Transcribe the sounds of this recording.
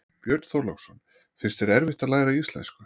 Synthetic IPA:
pjœɾt̪θowɾlɔksɔn | fɪr̥st̪ɛɾɛɾvɪht̪aðlaːjɾaiist̪lɛ̰nskʏ

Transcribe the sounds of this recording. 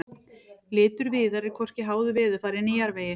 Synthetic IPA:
lɪːt̪ʏɾviːðaɾɛɾkʰɔr̥cɪɦaːwðʏvɪːðʏfaːɾɪnijaɾveːjɪ

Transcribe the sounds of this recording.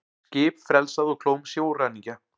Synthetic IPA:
cɪːpfɾɛlsaðɔkʰloːwmsjoːwraːniŋca

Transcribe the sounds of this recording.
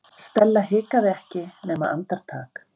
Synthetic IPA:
st̪ɛlːaɦɪːkaðɪɛhcɪnɛːmaʔa̰nt̪aɾ̥t̪ʰa̰ːk

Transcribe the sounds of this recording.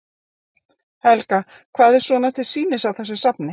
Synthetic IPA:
hɛlka | kʰvaːðɛɾsvɔnat̪ʰɪlsiːnɪsawθɛsːʏsapnɪ

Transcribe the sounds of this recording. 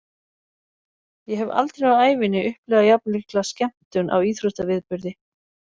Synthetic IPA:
jɛɦɛva̰lt̪ɾejaaːjvɪnɪʔʏhplɛːɣajap̚nlɪklascɛm̥t̪ʏnʔa̰wiːθɾʏst̪avɪðpʏɾðɪ

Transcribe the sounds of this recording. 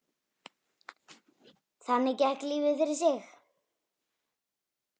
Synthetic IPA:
θanːɪcɛhkliːvɪðfɪɾɪɾ̥sɪx

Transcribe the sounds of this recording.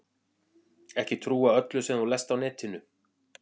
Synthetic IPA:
ɛhcɪt̪ʰɾuːaœt̪lʏsɛmθulɛst̪awnɛːt̪ʰɪnʏ

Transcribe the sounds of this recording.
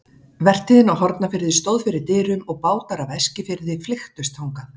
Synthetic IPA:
vɛr̥t̪ʰɪðɪnawɦɔɾt̪nafɪɾðɪst̪owðfɪɾɪɾt̪ɪːɾʏmɔɣpaːwt̪aɾavɛscɪfɪɾðɪflɪxt̪ʏst̪ʰawŋka

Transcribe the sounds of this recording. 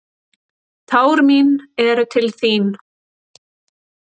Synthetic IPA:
t̪ʰaːwɾminɛɾʏt̪ʰɪlθin

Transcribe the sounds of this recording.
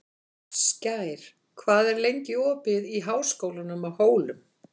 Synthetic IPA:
scaːjɾ̥ | kʰvaːðɛɾlejɲcɪɔːpɪðiɦaːwskoːwlanʏmahoːwlʏm

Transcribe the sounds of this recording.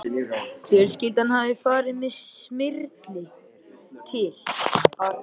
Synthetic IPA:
fjɛl̥scɪlt̪anhavɪfaːɾɪmɪsmɪɾt̪lɪ | t̪ʰɪl̥

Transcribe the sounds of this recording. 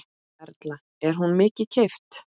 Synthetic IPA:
ɛɾt̪la | ɛɾ̥ɦunmɪːcɪcʰejft̪

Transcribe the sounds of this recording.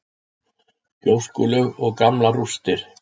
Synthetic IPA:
coːwskʏlʏɣɔɣkamlarust̪ɪɾ̥

